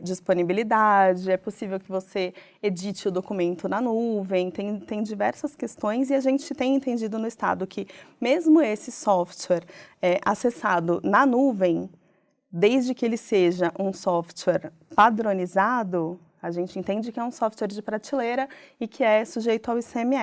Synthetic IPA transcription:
d͡ʒisponibilid̪ad͡ʒɪɛposivewkɪvose | ed͡ʒit͡ʃɪʊd̪okumẽnt̪ʊnɐnuvẽj̃t̪ẽj̃t̪ẽj̃d͡ʒivɛɾsɐskest̪õj̃zɪaʒẽnt͡ʃɪt̪ẽj̃ẽnt̪ẽnd͡ʒid̪ʊnʊist̪a̰d̪ʊkʰɪmezmʊesɪsɔft͡ʃɛɾɛʔasesad̪ʊnɐnuvẽj̃ | d̪ejzd͡ʒɪkɪelɪseʒɐʔũsɔft͡ʃɛɾ | pad̪ɾõnizad̪ʊ | aʒẽnt͡ʃɪẽnt̪ẽnd͡ʒɪkɪɛũsɔft̪wɛɾd͡ʒɪpɾat͡ʃileɾɐɪkʰɪɛsuʒejt̪ʊawisemɪɛ

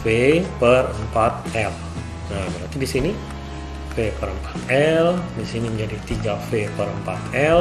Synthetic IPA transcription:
fepərəmpat̪̚ɛl | abəɾant̪idisini | fepəɾəmpḁt̪̚ɛldisiniməɲd͡ʒadit̪iɡafepəɾəmpat̪ɛl

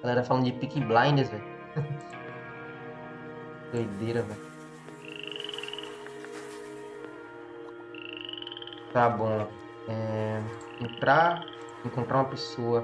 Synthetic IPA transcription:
alɛɾɐfalɐ̃d̪d͡ʒɪpikiblãj̃d̪ezɛ | d̪ojd̪eɾɐvɛ | t̪abõ | ɛ | ẽnt̪ɾa | ẽkõnt̪ɾaũmɐpesoɐ

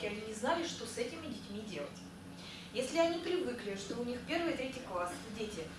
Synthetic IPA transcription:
ɪɐnʲinʲɪznalʲɪʂt̪o̞sɛtʲɪmʲɪdʲɪtʲmʲidʲe̞lˠətʲ | jesʲlʲɪɐnʲipɾʲɪvɨklʲɪʂt̪o̞ʊnʲixpʲe̞rvɨjt̪ɾʲetʲɪjklˠasdʲetʲɪ

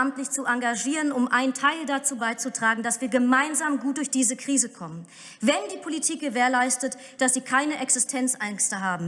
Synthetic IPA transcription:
amtlɪçt͡suʔaŋɡaʒiːʁənʊmʔaɪntʰaɪldat͡suːbaɪt͡sutʁ̥aːɡŋ̩dasv̥iːɐɡəmaɪnzaːmɡuːt̚d̥ʊɐçd̥iːzəkʁ̥iːzəkʰɔmən | vɛndiːpʰolitʰiːk̚ɡ̥əveːɐlaɪstət | d̥asz̥iːkʰaɪnəʔɛksɪstʰɛnt͡sʔɛŋstəɦaːbm̩

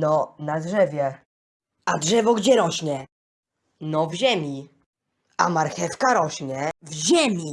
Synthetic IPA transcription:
nɔnadʐɛvʲjɛ | adʐɛvɔɡd͡ʑɛɾɔɕɲɛ | nɔvʑemʲi | a̰maɾxɛfkaɾɔɕɲɛvʑemʲi

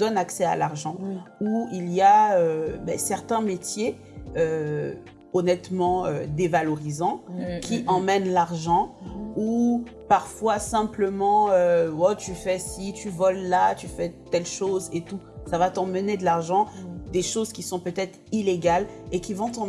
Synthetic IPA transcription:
d̪ɔnaksɛa̰laʁʒɑ̃uilijaøbɛ̰sɛʁt̪ɛ̃met̪je | ø | ɔnɛt̪mɑ̃ø̰d̪evalɔʁizɑ̃kʲiʔɑ̃mɛnlaʁʒɑ̃u | paʁfwasɛ̃pləmɑ̃øɔt̪yfɛsit̪yvɔlːat̪yfɛt̪ɛlʃozet̪u | savat̪ɑ̃məned̪əlaʁʒɑ̃d̪eʃozkʲisɔ̃pøt̪ɛt̪χileɡalekʲivɔ̃t̪ɑ̃

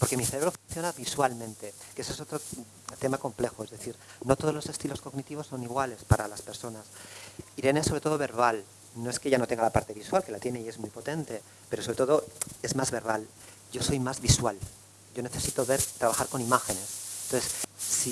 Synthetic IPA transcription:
po̞ɾke̞miθeɾe̞βɾofunθjonaβiswalmẽnt̪e̞kesoes̬ot̪ɾo | t̪e̞mako̞mple̞xoe̞zðe̞θiɾno̞t̪o̞ð̞zlose̞st̪ilosko̞ɣnit̪iβo̞sːo̞niɣwale̞spaɾalaspe̞ɾso̞nasiɾe̞nesːoβɾe̞t̪o̞ðo̞βe̞ɾβ̞al | noe̞skeʝano̞t̪e̞ŋɡalapaɾt̪e̞βiswalke̞lat̪jeneie̞zmujpo̞t̪e̞nt̪e̞ | pe̞ɾosoβɾet̪o̞ðo̞e̞zmazβe̞ɾβal | ɟ͡ʝo̞so̞jmazβiswal | ɟ͡ʝo̞neθe̞sit̪o̞βe̞ɾt̪ɾaβaxaɾko̞nimaxe̞ne̞snt̪oθesːi

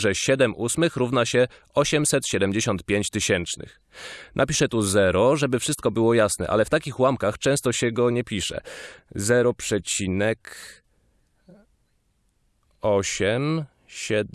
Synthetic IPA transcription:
ʐɛɕɛd̪ɛmʔusmɘxɾuvnaɕɛ | ɔɕɛmsɛt̪ɕɛd̪ɛmʲd͡ʑeɕɔnt̪̚pʲjeɲt͡ɕt̪ɘɕɛnt͡ʂnɘ̰x | nʔapʲiʂɛt̪uzɛɾɔʐɛbɘfʂɘɨst̪̚kɔbɘwɔjasnɛ̰ʔa̰lɛft̪akʲixwamkaxt͡ʂɛ̃w̃st̪ɔɕɛɡɔɲɛpʲiʂɛ̰zɛɾɔpʂɛt͡ɕinɛk | ɔɕɛm | ɕɛ

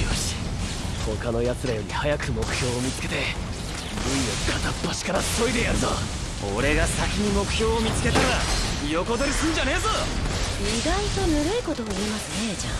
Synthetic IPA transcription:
oɕi̥ho̞kano̞jat͡sɨɾajo̞ɾʲḭhajakɯ̟mo̞kɯ̟̥çʲo̞ːmʲit͡sɨ̥ke̞t̪e̞ | ɯijokʰat̪apːoɕi̥kaɾasso̞id̪e̞jaɾɯt̪o | o̰ɾe̞ɡasakʲiɲ̟imo̞kɯ̟̥çʲo̞ːmʲit͡sɨ̥ke̞t̪eβajo̞ko̞t̪o̞ɾʲisɨ̃n̟d͡ʑane̞ːzo | iɡait̪o̞nɯɾɯ̟iko̞t̪o̞ːiːmasɨne̞d͡ʑa

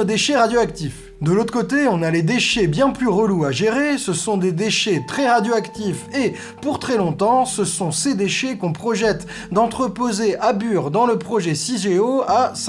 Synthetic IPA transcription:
d̪eʃeʁad̪joak̚t̪if | d̪əlot̪χəkot̪eɔ̃naled̪eʃebjɛ̃plyʁəluaʒeʁesəsɔ̃d̪ed̪eʃet̪χɛʁad̪joakt̪ife | puʁt̪χɛlɔ̃t̪ɑ̃səsɔ̃sed̪eʃekɔ̃pχɔʒɛt̪ | d̪ɑ̃t̪χəpozeʔabyʁd̪ɑ̃ləpχɔʒɛsiʒeoas

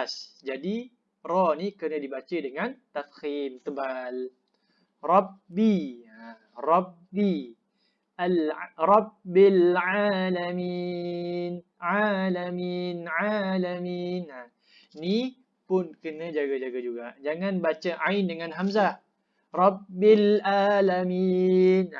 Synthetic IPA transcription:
sd͡ʒadi | rɔnikənə̃dibat͡ʃədəŋant̪afkimt̪əbal | rɔbbia | rɔbːi | alrɔbbɪlʕalami | n | ʕalaminʕalamina | ni | pʊnkənãd͡ʒaɡad͡ʒaɡad͡ʒuɡaʔd͡ʒaŋãnbat͡ʃəʔaɪndəŋanɦams̬a | rɑbbɪlalamin

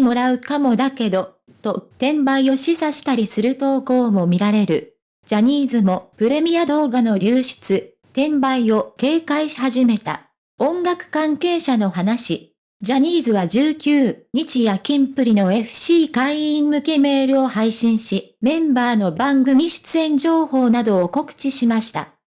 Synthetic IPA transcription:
mo̞ɾaɯ̟kamo̞d̪ake̞d̪o̞ | t̪o̞t̪ẽ̞mbaio̞ɕisaɕi̥t̪aɾʲisɨɾɯ̟t̪o̞ːko̞ːmo̞mʲiɾaɾe̞ɾɯ̟̰ | d͡ʑaɲ̟iːzɨmo̞pɯ̟ɾe̞mʲijad̪o̞ːɡano̞ɾʲɨːɕi̥t͡sɨ | t̪ẽ̞mbaio̞ke̞ːkaiɕi̥haʑime̞t̪a̰ | õ̞ŋɡakɯ̟̥kãŋke̞ːɕano̞ɦanaɕi | d͡ʑaɲ̟iːzɨβad͡ʑɨːkʲɨːɲ̟it͡ɕijakʲĩmpɯ̟ɾʲino̞e̞ɸɯ̟̥ɕiːkaiĩmmɯ̟ke̞me̞ːɾɯ̟o̞haiɕĩɰ̃ɕimẽ̞mbaːno̞bãŋɡɯ̟mʲiɕi̥t͡sɨẽ̞ɲ̟d͡ʑo̞ːho̞ːnad̪o̞ːko̞kɯ̟̥t͡ɕiɕimaɕi̥t̪a̰

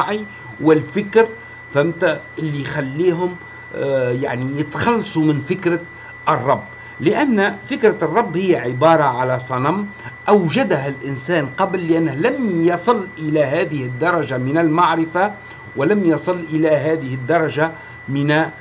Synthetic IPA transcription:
ʕi | wɪlfɪkɾ | fæmt̪æʔɪlːixalːiːɦʊm | ja̰ʕnijɪt̪xɑlːɑsˤumɪnfɪkɾa | ʔərˤːɑbː | lɪʔanːfɪkɾarˤːɑbːhɪjːaʕɪbɑːɾˤɑʕalæsˤɑnamʔawʒad̪ɦælʔɪnsæːnqɑblːɪʔanːhlæmjɑsˤɨlʔɪlæɦæːðɪhɪd̪ːɑɾˤɑʒamɪnalmaʕɾɪfa | wɪlæmjɑsˤɨlːʔɪlæɦæːðɪhɪd̪ːɑɾˤɑʒa | mɪnæ

